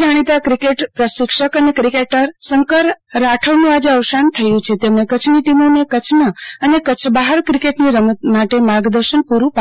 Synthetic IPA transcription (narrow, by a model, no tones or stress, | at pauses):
d͡ʒaɽ̃it̪akɾikeʈpɾəʃɪkʃəkənekɾikeʈəɾsəŋkəɾːaʈʰəʋnũad͡ʒeəʋʃant̪ʰəjũt͡ʃʰet̪emɳekət͡ʃʰniʈimonekət͡ʃʰnəənekət͡ʃʰbaɦəɾkɾikeʈniɾəməmaʈemaɾɡd̪əɾʃənpuɾũpa